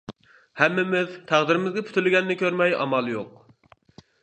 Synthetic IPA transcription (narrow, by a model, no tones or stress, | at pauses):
hɛmːɪmɪzt̪ʰæʁd̪ɪɾɪmɪzɡʲɛpʰy̥t̪ʰylɡʲɛnːɪkʲʰøɾmɛjʔɑ̰mɑlˠjoq